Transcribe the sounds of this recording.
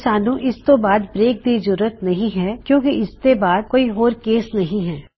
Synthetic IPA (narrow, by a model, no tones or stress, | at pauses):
saːnuõʔɪst̪obaːd̪bɾeːk̚d̪iːzʊɾuət̪nɐɦĩɦɛkjõːkiʔɪst̪ebaːd̪̚koːiɦoːɾkeːsnɐɦĩɦɛː